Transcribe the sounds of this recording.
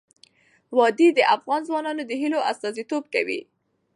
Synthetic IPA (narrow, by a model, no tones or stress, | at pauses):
wɑd̪id̪əʔafɣɑnzwɑnɑnod̪əɦiloʔast̪ɑzit̪ob̚ka̰wḭ